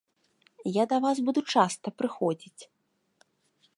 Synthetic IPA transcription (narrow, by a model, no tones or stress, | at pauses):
jad̪ɐvasbud̪ut͡ʂast̪ɐpɾɨxɔd͡zʲit͡sʲ